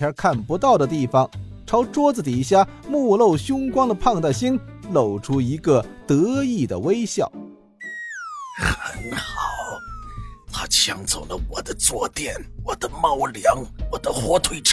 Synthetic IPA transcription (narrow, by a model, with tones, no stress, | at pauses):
ja˞˧˥kʰa˥˩npu˧˥t̪ɑ˥˩ʊɾə˩t̪̬i˥˩fɑ˩ŋʈ͡ʂʰɑ˧˥ʊʈ͡ʂwɔ˥d͡zɹ̩˨˩t̪̬i˨˩ɕja˥˩mu˥˧lo˥˩ʊɕjʊ˥ŋkwɑ˥ŋd̪ə˨pʰɑ˥˧ŋt̪a˥˩ɪɕi˥nlo˨˩ʊʈ͡ʂʰu˥i˧˥ɡə˧t̪ɤ˧˥i˥˩d̪ə̰˩we˥ɪɕjɑ̰˥˩ʊ | xə˧˦nxɑ˨˩ʊ | t̪ʰa˥t͡ɕʰjɑ˧˥ŋt͡so˨˩lə̰˦wɔ˨˩d̪ə˦t͡swɔ˥˧t̪jɛ˥˩nwɔ˨˩d̪ə˦mɑ˥˩ʊljɑ˧˥ŋwɔ˨˩d̪ə˦xwɔ˥t̪ʰwe˥ɪʈ͡ʂʰ